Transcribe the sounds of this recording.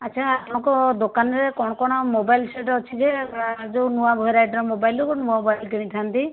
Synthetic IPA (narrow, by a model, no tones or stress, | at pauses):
aːʃʰaat̪ɔ̃kɔd̪okanɾekɔɽ̃ɔkɔɽ̃ɔmobajlseʈɔt͡ʃʰid͡ʒead͡ʒownuwabʱɔjɾajʈɾɔmobajlukɔnuabʱajlkɛniʈʰant̪i